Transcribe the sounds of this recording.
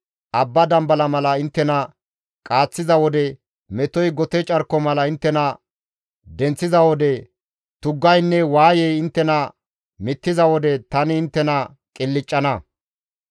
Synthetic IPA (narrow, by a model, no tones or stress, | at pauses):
ʔɐbːɐd̪ɐmbɐlɐmɐlɐɪnt̪ːɛnɐ | kʼaːt͡sːɪzɐwɔd̪ɛ | mɛt̪ɔjɡɔt̪ɛt͡ʃʼɐɾkːɔmɐlɐɪnt̪ːɛnɐ | d̪ɛnt͡sːɪzɐwɔd̪ɛ | t̪ʊɡːɐjnːɛwaːjɛjɪnt̪ːɛnɐ | mɪt̪ːɪzɐwɔd̪ɛt̪ɐnɪɪnt̪ːɛnɐ | kʼɪlːɪt͡ʃʼːɐnɐ